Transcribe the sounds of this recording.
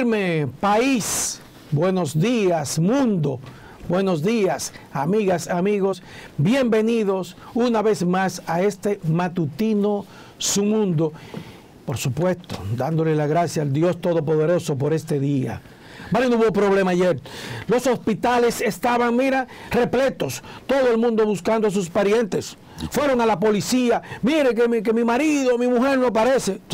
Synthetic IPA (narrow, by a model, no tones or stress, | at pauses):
ɾmepais | bwe̞no̞zd̪iasmũnd̪o̞ | bwe̞no̞zðiasamiɣasamiɣo̞s | bjembe̞niðo̞sunaβe̞zmasaest̪emat̪ut̪ino̞ | sumũnd̪o̞ | po̞ɾsupwe̞st̪od̪and̪o̞lelaɣɾasjaːld̪jo̞st̪o̞ðop̬o̞ðe̞ɾo̞so̞p̬o̞ɾe̞st̪e̞ðia̰ | balenuβopɾo̞βle̞maːʝeɾlo̞so̞spit̪ale̞se̞st̪aβaŋmiɾare̞ple̞t̪o̞st̪o̞ðoelmũnd̪o̞βuskand̪os̬uspaɾje̞nt̪es | fwe̞ɾo̞ŋalapo̞lisiamiɾekekemimaɾiðomimuxe̞ɾno̞paɾe̞se̞